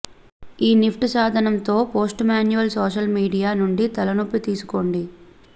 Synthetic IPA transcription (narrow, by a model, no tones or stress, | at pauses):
iːnipʰʈusaːd̪ʱɐnɐnt̪o̞ːpo̞ːsʈmaːnjuʋɐlsoːʃɐlmiːɖijaːnuɳɖit̪ɐlɐnopːit̪iːsu̥ko̞ːɳɖi